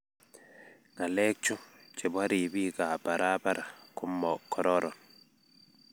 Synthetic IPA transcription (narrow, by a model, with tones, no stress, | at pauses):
ŋa˨lɛ˦k̚t͡ʃɔ˦t͡ʃɛ˨ba˦ɾi˨bi˦ɡa˨ba˨ɾʔa˦ba˦ɾʔa˨ku˦mːɔ˨kʰːɔ˨ɾɔ˦ɾɔ˨